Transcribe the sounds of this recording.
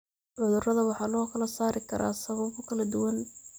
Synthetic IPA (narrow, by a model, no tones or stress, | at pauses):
ʕʊðʊrɐðɐwɑħɑːlɔːkʰɐlɐsaːɾɪkʰɐɾʔa̰ːsɐβɐβʊkʰɐlɐd̪ʊwɐn